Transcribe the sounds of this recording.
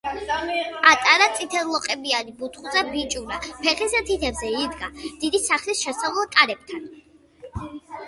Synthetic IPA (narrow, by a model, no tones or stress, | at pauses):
at̪ʼaɾat̪sʼit̪ʰɛlˠɔqʼɛbianibut̪ʰχuzabit͡ʃʼuɾapʰɛχɛsɛt̪ʰit̪ʰɛbzɛid̪ɡad̪̥id̪isaχlisʃɛsavlˠt̪ʼaɾɛb̚t̪ʰan